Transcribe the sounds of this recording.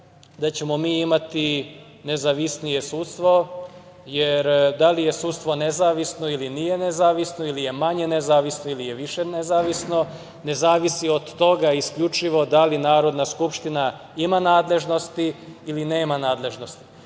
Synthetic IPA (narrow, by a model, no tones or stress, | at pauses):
d̪at͡ɕe̞mo̞miːimat̪i | ne̞zaʋisnije̞sut̪st̪ʋo̞ | jeɾd̪alije̞suːt̪st̪ʋo̞nezaːʋisno̞ilinije̞nezaːʋisno̞ilije̞maɲe̞nezaːʋisnoilijeʋiʃenezaːʋisno̞ | ne̞zaːʋisiod̪ːo̞ɡaiskʎut͡ʃiʋo̞d̪alinaːɾo̞d̪naskupʃt̪ina | imanaːd̪le̞ʒno̞st̪iːline̞ːmanaːd̪le̞ʒno̞st̪i̥